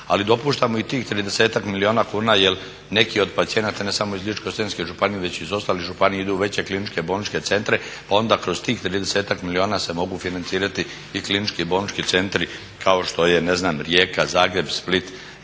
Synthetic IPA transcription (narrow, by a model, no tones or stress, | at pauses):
alid̪o̞puːʃt̪amoit̪iːxt̪ɾiːd̪e̞se̞ːt̪akmilio̞ːnakuːnaːjel | ne̞kio̞d̪pat̪sije̞nat̪ane̞samo̞izlit͡ʃkost̪enskeʒupanijeʋe̞t͡ɕizo̞st̪aːlixʒupanijeid̪uʋe̞t͡ɕe̞klinit͡ʃke̞bo̞nit͡ʃke̞t̪se̞nt̪ɾe̞pao̞nd̪akɾo̞st̪iːxt̪ɾiːd̪ese̞ːt̪akmilioːnaːse̞mo̞ɡufinant̪siːɾat̪iː | klinit͡ʃkibonit͡ʃkit̪se̞nt̪ɾi | kʰao̞ʃt̪o̞je̞ne̞znaːmɾjeːkazaːɡɾe̞bsplit̪